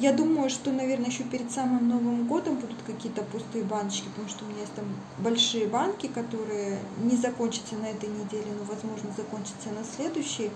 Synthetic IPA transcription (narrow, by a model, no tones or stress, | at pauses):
jad̪uməjʊʂt̪o̞nɐvʲe̞rnəjɪɕːopʲɪɾʲɪt̪samɨmno̞vɨmɡo̞d̪əmbud̪ʊt̪kɐkʲijət̪əpʊst̪ɨjəbanət͡ɕkʲɪpət̪ɐmuʂt̪oʊmʲɪnʲajesʲtʲt̪am | bɐlʲʂɨjəbankʲɪkɐt̪o̞ɾɨjənʲɪzɐko̞nʲt͡ɕɪt̪sənɐɛt̪əjnʲɪdʲelʲɪnovɐzmo̞ʐnəzɐkonʲt͡ɕɪ̥t̪sənɐsʲlʲe̞d̪ʊɕːɪjə